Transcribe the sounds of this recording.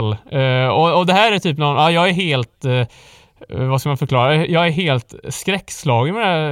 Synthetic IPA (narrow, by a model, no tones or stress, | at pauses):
lːɔɔd̪ɛɦæːɾæt̪yːpnɔnɑːjɑːɡæɾɦeːlt̪ | vaskamanfœɾkʰlɑːɾajɑːɡæɾɦeːlt̪skɾɛkːslɑːɡəmɛd̪æ